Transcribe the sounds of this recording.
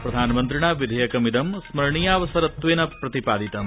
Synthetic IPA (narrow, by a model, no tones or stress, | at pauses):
pɾɐd̪ʱaːnɐmɐnt̪ɾiɳaːʋid̪ʱɐjɐkɐmid̪ɐmsmɐɾɳijaːʋɐsɐɾɐt̪ʋeːnɐpɾɐt̪ipaːd̪ʱit̪ɐm